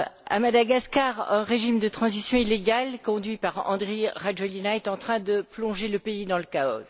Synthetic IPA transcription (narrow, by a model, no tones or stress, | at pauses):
a̰mad̪aɡaskaʁɛ̃ʁeʒimd̪ət̪χɑ̃zisjɔ̃ileɡalkɔ̃d̪ɥipaʁɑ̰̃d̪ʁeʁaʒəlinaɛt̪ɑ̃t̪χɛ̃d̪əplɔ̃ʒeləpeid̪ɑ̃ləkaɔ̰z